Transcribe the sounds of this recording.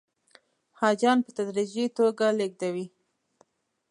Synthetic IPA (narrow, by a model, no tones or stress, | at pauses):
hɑd͡ʒɑnpət̪ad̪ɾid͡ʒit̪oɡaleɡ̚d̪awi